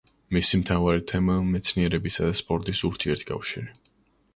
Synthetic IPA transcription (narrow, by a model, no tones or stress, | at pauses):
misimt̪ʰavaɾit̪ʰɛmamɛt̪sʰniɛɾɛbisad̪aspʼɔɾt̪ʼisuɾt̪ʰiɛɾt̪ʰkʰʼa̰fʃḭɾi